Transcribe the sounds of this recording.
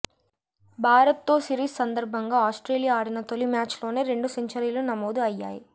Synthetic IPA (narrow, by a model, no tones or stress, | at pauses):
bʱaːɾɐt̪ːo̞ːsiɾiːssɐnd̪ɐɾbʱɐŋɡaːaːsʈɾe̞ːlijaaːɽinɐt̪olimjaːt͡ʃlo̞ːne̞ːɾe̞ɳɖusiɲt͡ʃɐɾilunɐmoːd̪uɐjːa̰ːji